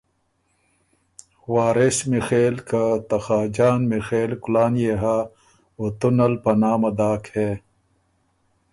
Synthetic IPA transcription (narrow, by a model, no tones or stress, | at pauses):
waːɾesmixeːlkat̪ɐxaːd͡ʑaːnmixeːlkulaːnjeɦa | ot̪unɐlpɐnaːmɐd̪aːkheː